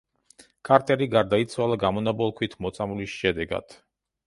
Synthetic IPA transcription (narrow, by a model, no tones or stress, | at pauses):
kʼaɾt̪ʼɛɾiɡaɾd̪ait̪sʰwalˠaɡamɔnabɔlˠkʰwit̪ʰmɔt̪sʼamulisʃɛd̪ɛɡa̰d̪̥